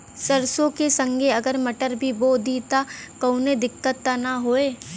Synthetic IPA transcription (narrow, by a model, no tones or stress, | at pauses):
sɐɾsõkesə̃ŋɡʱeɐɡəɾmɐʈəɾbʱiboːd̪it̪akɐʊned̪ɪkːət̪ːanaɦoːeː